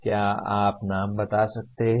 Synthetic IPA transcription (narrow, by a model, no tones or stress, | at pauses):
kjaːaːpnaːmbɐt̪asɐk̚t̪eɦ